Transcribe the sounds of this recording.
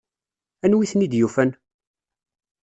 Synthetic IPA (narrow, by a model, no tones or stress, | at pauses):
ænwiθnid̪jufæn